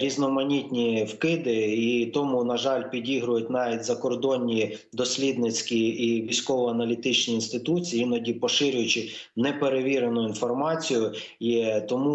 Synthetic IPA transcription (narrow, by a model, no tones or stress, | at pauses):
ɾʲiznɔmɐnʲit̪ʲnʲiwkɪd̪ɪit̪ɔmunɐʒɑlʲpʲidʲiɦɾʊjʊt̚ʲnɑʋʲitʲzɐkɔrd̪ɔnʲːi | d̪ɔsʲlʲid̪nɪt͡sʲkʲiiʋʲisʲkɔʋɔɐnɐlʲit̪ɪt͡ʃnʲiinst̪ɪt̪ut͡sʲijiinɐdʲipɔʃɪɾʲʊjʊt͡ʃɪnɛpeɾeʋʲiɾenʊinfɔrmɑt͡sʲijʊ | jɛt̪ɔmu